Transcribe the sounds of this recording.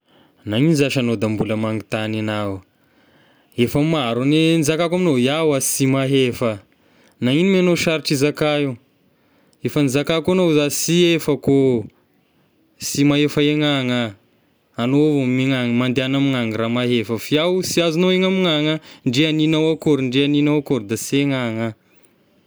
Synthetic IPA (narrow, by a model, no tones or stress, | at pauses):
naŋinizaʃanod̪ambuləmaŋit̪aninaw | efəmaɾunenizakakaminojawasimaɦefə | nainimanoʃaɾiʈ͡ʂizakaiw | efənizakakonozasiefəko | simaɦefaeŋaŋaː | novomeŋaŋmand̪eanamiŋaŋɾamaɦefəfiawsiazinoeŋamiŋaŋəɳɖ͡ʐianinawakuɾiɳɖ͡ʐianinawakoɾid̪asieŋaŋa